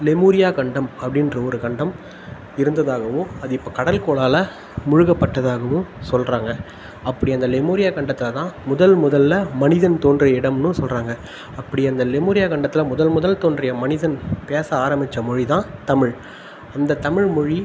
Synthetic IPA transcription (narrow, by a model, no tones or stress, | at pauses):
lɛmuːɾɪjaːkɐɳɖɐmɐpːɐɽɪndrɐɔɾɯkɐɳɖɐm | ɪɾɯnd̪ɐðaːɣɐʋɯ̃ɐðɯɪpːoːkɐɽɐlkoːɭaːlɐ | mʊɻɯɣɐpːɐʈːɐðaːɣɐʋɯ̃sɔlraːŋɡɐ | ɐpːɐɽɪɐnd̪ɐlɛmuːɾɪjaːkɐɳɖɐt̪ːɪlɐt̪ãːmʊðɐlmʊðɐlːɐmɐnɪðɐnt̪oːndrɐɪɽɐmnɯsɔlraːŋɡɐ | ɐpːɐɽɪɐnd̪ɐlɛmuːɾɪjaːkɐɳɖɐt̪ːɪlɐmʊðɐlmʊðɐlt̪oːndrɐjɐmɐnɪðɐnpeːsɐaːɾɐmbɪt͡ʃːɐmɔɻit̪ãːt̪ɐmɪɻ | ɐnd̪ɐt̪ɐmɪɻmɔɻi